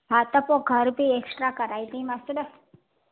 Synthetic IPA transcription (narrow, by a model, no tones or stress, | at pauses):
bʱat̪əpoɡʱəɾbʱieksʈɾakəɾaid̪imasəɖə